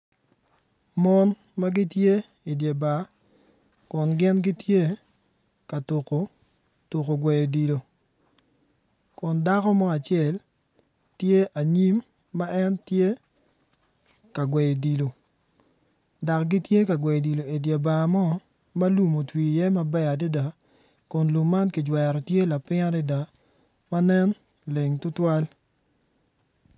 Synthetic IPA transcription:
mɔ˦n | ma˦ɡi˦tje˦ | i˨dja˨ba˨ | kʊ˨nɡɪ˦nɡɪ˦tje˦ | ka˨tu˨ko˨ | tu˨ko˨ɡwɛ˨jo˨di˨lo˨ | kʊ˨nda˦kɔ˦mɔ˦a˨t͡ʃjɛ˨l | tje˦ʔa˨ɲi˦mː | a˦ʔɛ˦ntje˦ | ka˨ɡwe˨jo˨di˨lo˨ | da˨kɡi˦tje˦ka˨ɡwe˨jo˨di˨lo˨e˨dja˨ba˨mɔ˦ | ma˦lu˦mo˨twi˨jɛ˦ma˦bɛ˦a˨di˦da˨ | kʊ˨nlu˨mːa˦nki˨d͡ʒwɛ˨ɾɔ˨tje˦la˨pɪ˦ŋa˦ɾɪ˦da˨ | ma˦nɛ˦n | le˨ŋtʊ˦twa˦l

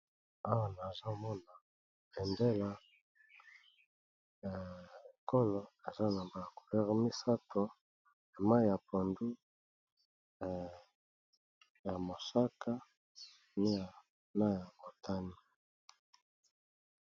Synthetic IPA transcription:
a˦wa˦na˨za˦mɔ˦na˨ | e˨nde˦la˦ | a˨ko˦lo˨e˨za˦na˨ba˦ja˨ku̥˨lɛ˦ʁmi˦sa˦tʰo˨ | a˨ma˦˨ja˨pʰo˨ndu˦˨ | ja˨mo˨sa˦ka˦ | ni˦ja˨ | na˦ja˨mo˨tʰa˦ni˦

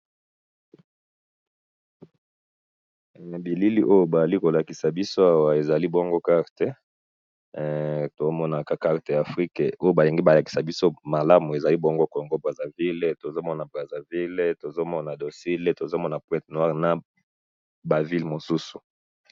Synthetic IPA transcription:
bi˨li˦li˦ʔo˦jo˦ba˨za˨li˦ko˨la˨ki˨sa˨bi˦so˦a˦wa˨e˨za˨li˦bo˦ŋɡo˦ka˦ʁte˦ | to˨o˦mɔ˦na˨ka˦ka˦ʁte˨ja˨fʁi˦ke˨o˦jo˦ba˨li˨ŋɡi˦ba˨la˨ki̥˨sa˨bi˦so˦ma˨la˦mu˨e˨za˨li˦bo˦ŋɡo˦ko˨ŋɡo˦bʁa˨za˨vi˦lto˨zo˦mɔ˦na˨bʁa˨za˨vi˦le˦to˨zo˦mɔ˦na˨do˨si˦le˦to˨zo˦mɔ˦na˨pwɛ̃˦tnwa˦ʁna˨ | ba˨vi˦lmo˨su˦su̥˨

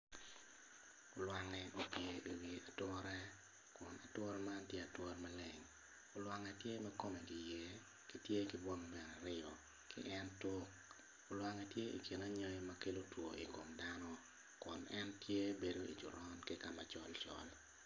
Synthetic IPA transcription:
o˨lwa˨ŋɛʔo˦pje˨ʔi˨wi˨a˨twɔ˦ɾɛ˦ | kʊ˨na̰˨twɔ˦rma˦ntje˦a˨twɔ˦rma˦lɪ˨ŋ | ʊ˨lwa˨ŋɛ˨tje˦mɛ˦ko˦me˨ɡi˨je˦ | ki˦tje˦ki˦bwɔ˦ŋbɛ˨na˨ɾɪ˦ɔ˨ | kɪ̰˦ʔɛ˦ntwo˦k̚ | ʊ˨lwa˨ŋɛ˨tje˦ʔḭ˨ki˨na˦ɲɔ˦i˦ma˦ke˦lo˦two̰˨i˨ko˨mda˦nɔ˦ | kʊ˨nɛ˦ntje˦be˦do˦ḭ˨d͡ʒʊ˨ɾɔ˦nkɪ˦ka˨ma̰˨t͡ʃɔ̰˦lt͡ʃɔ̰˨l

